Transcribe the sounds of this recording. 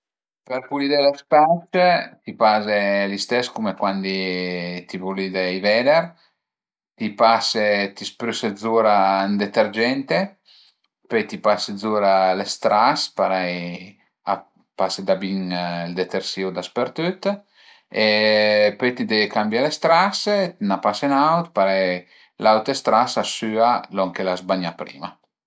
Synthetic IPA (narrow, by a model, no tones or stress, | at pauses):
peɾpulid̪elespat͡ʃt̪ipazelist̪ɛskumekwand̪it̪ivulid̪ejvɛd̪eɾ | t̪ipaset̪ispɾysed̪zuɾand̪et̪eɾd͡ʒɛnt̪e | pøt̪ipased̪zuɾalest̪ɾaspaɾaj | a | pased̪abiŋild̪et̪eɾsiud̪aspeɾt̪yt̪ | epøt̪id̪ɛvkambjalest̪ɾasnapasenawt̪paɾɛj | lawt̪est̪ɾasasyːalɔŋkelazbaɲapɾḭːma